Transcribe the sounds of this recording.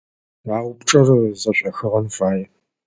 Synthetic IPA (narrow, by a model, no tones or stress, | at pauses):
aːwpʈ͡ʂʼɐrzɐɕʷʼɐxɨʁɐmfaːjɛ